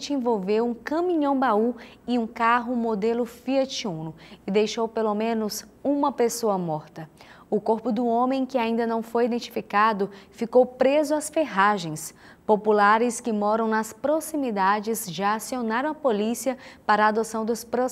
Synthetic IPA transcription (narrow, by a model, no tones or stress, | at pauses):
t͡ʃɪẽvowvewũkɐ̃mĩɲõw̃bau | ɪũkaɦʊmod̪elʊfiɐt͡ʃiũnʊɪd̪ejʃowpelomẽnʊsũmɐpesoɐmɔɾt̪ɐ | ʊkoɾpʊd̪ʊõmẽj̃kɪaĩnd̪ɐnɐ̃w̃fojid̪ẽnt͡ʃi̥fikad̪ʊfikowpɾezʊɐsfeɦaʒẽj̃s | populaɾɪskɪmɔɾɐ̃w̃nɐspɾosimid̪ad͡ʒɪzʒɪasionaɾɐ̃w̃ɐpolisiɐpaɾɐaːd̪osɐ̃w̃d̪ʊspɾo